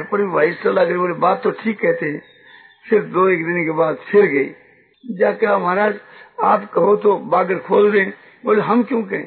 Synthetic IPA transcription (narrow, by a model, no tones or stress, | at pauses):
ɾpəɾiʋaːɪsəlːaːkəɾiboːlebaːt̪t̪ːoʈʰiːkːɛɦt̪eɛ̃ | sɪɾfd̪oːeːkd̪ɪnkebaːd̪pʰɪɾɡɐḭː | d͡ʒaːkːmaɾaːd͡ʒaːpkɐɦot̪obaːɡəɾkʰoːld̪ẽːn | boːleɦɐmkjõːkɐɦḛ̃ː